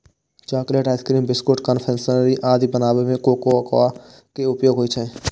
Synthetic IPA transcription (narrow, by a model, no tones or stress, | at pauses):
t͡ʃaːkleːʈaːɪt̪ʰkɾiːmbɪskoʈkənpʰɛ̃ːnsənɾiʔaːd̪ʱibənaːʋemẽkoːkoəka | keʊpjoːɡʱɦoit͡ʃʰɛẽ